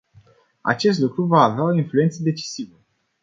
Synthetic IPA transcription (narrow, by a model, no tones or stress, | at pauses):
a̰t͡ʃe̞s̬t̪lukɾuvaːveaoinflue̞nt̪səd̪e̞t͡ʃi̥sivə